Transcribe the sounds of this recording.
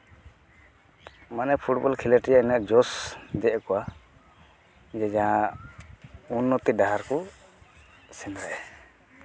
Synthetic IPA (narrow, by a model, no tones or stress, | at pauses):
manɛpʰuʈbɔlkʰilɛʈijaɛnaʔd͡ʒɔsd̪ɛʔkɔwa | d͡ʒɛd͡ʒaɦa | unːɔt̪idaɦaɾkɔ | sɛnɾaʔɛ